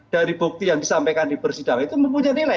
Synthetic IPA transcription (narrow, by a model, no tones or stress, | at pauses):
d̥aɾib̥uk̚t̪ijaŋdisampekandipərsid̥aŋit̪uməmpuɲanila